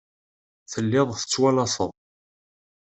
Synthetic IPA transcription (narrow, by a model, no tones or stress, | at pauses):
θəlːɪðˤθə̥t͡sːwælɑsəðˤ